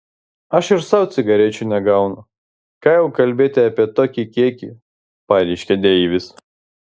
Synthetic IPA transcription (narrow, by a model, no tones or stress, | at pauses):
ɐʃɪɾsɐʊt̪sʲɪɡɐɾʲeːt͡ʃʲʊnʲɛɡɐʊnʊ | kɑːjɛʊkɐlʲbʲeːt̪ʲɪɑːpʲiɛt̪oːkʲikʲiɛkʲḭ | pɑːɾʲɛɪʃʲkʲɛd̪ʲɛiːʋʲɪs